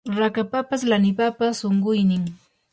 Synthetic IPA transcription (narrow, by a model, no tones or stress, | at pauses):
ɾakapapaslanɪpapasoɴɢʊjnɪŋ